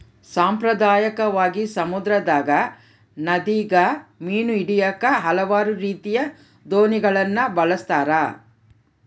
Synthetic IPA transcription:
saːmpɾɐd̪aːjɐkɐʋaːɡisɐmud̪ɾɐd̪aːɡɐ | nɐd̪iːɡɐmiːnuiɽijɐkɐɦɐlɐʋaːɾuɾiːt̪ijɐ | d̪oːniɡɐɭɐnːɐbɐɭɐst̪aːɾɐ

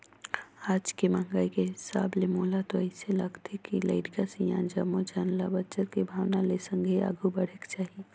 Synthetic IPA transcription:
aːd͡ʒkemãŋɡaikeɦɪsa̰ːblemoːlat̪oəɪseləɡt̪ʰekilə̰ɪʈɡasijã̰nd͡ʒəmod͡ʒaːnlabət͡ʃəɾkebʱaːʋnalesə̃ŋɡʱea̰ɡʱubəɽ̤ekt͡ʃaːɦi

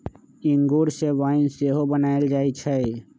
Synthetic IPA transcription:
iŋɡuɾseʋanseɦobənaeld͡ʒaet͡ʃʰə

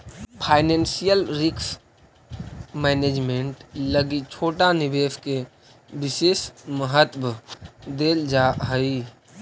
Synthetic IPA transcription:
pʰaːɪnẽːnsijəlɾɪks | mɛːneːd͡ʒmeɳʈləɡit͡ʃʰoːʈanɪbeːske | bɪseːsməɦət̪bd̪eːld͡ʒaɦəi

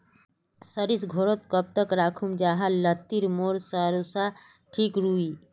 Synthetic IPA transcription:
səɾisɡʱoːɾot̪̚kəp̚t̪əkɾaːkʰumd͡ʒaːɦalət̪ːiɾmoːɾsaɾusa | ʈʰiːkɾuːiː

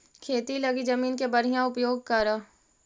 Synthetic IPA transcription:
kʰeːt̪ilɐɡizəmiːnkebəɾ̤ɪjãʊpjoːɡ̚kəɾaː

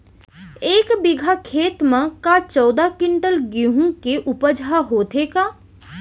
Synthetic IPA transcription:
eːkbiɡʱakʰeːt̪mẽkat͡ʃɔːd̪akɪɳʈəlɡiɦũkeʔupəd͡ʒʱaɦoːt̪ekaː

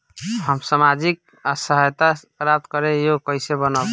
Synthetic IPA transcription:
həmsamad͡ʒik̚ | asəɦəjt̪apɾap̚t̪kəɾejokəɪsebənə

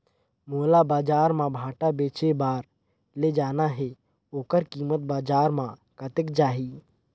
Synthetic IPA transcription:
moːlabaːd͡ʒaːɾmãbʱaːʈabeːt͡ʃebaːɾ | led͡ʒaːnaɦɛ | oːkəɾkiːmət̪̚baːd͡ʒaːɾmãkət̪ɪkd͡ʒaːɦi

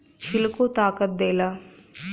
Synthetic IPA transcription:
t͡ʃʰɪlkot̪aːkət̪̚d̪eːlaː

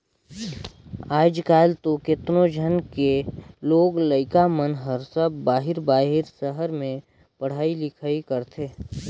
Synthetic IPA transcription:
aːd͡ʒkaːlt̪okɪt̪nod͡ʒʱənkeloːɡləɪkamənɦəɾsəbbaːɦɪɾbaːɦɪɾsəɦəɾmẽ | pəɽ̤aːilɪkʰaːikəɾt̪ʰeː

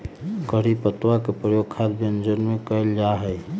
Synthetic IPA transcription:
ɡəɽipət̪wakepɾəjoɡkʰalbend͡ʒənmekəld͡ʒaɦəj

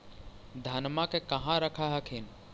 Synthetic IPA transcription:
d̪ʱanmakekɐɦãɾəkʰaɦəkʰɪn

